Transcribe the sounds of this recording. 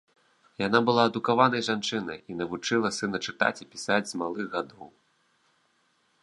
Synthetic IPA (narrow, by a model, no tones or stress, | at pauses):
janabɨlˠaɐd̪ukavanɐjʐant͡ʂɨnɐ̰jinɐvut͡ʂɨlˠɐsɨnɐt͡ʂɨt̪a̰t͡sʲipʲi̥sad͡zʲzmalˠɨɣɣad̪ɔw